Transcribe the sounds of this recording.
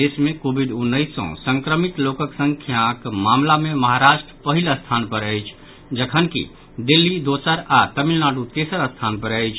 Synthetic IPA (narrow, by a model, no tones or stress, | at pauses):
esmẽkoːbiɖʊnːəɪsɔ̰̃sə̃ŋkɾəmit̪loːkəksə̃ŋkʰjãkmaːmlamẽməɦaɾaːʃʈɾəpəɦiləst̪ʰaːnpəɾəjt͡ʃʰ | d͡ʒəkʰənkḭ | d̪ilːid̪osəɾat̪əmilnaːʈut̪eːsəɾəst̪ʰaːnpəɾəjt͡ʃʰ